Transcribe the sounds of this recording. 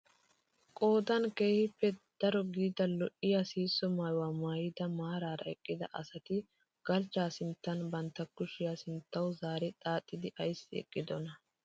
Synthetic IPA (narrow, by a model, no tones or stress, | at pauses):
kʼo̞ːd̪ɐnke̞ːhɪpːɛd̪̥ɐɾɔɡiːd̪ɐlɔʔɪjɐsiːsːɔmaːjwaːmaːjɪd̪ɐmaːɾaːɾɐ̰ɛkʼːɪd̪ɐ̰ʔɐsɐt̪ɪ | ɡ̥ɐlt͡ʃːaːsɪnt̪ːɐnbɐnt̪ːɐkːʊʃɪjaːsɪnt̪ːɐwzaːɾɛt̪ʼaːt̪ʼːɪd̪ɪʔɐjsːɪɛ̰kʼːɪd̪ɔnɐ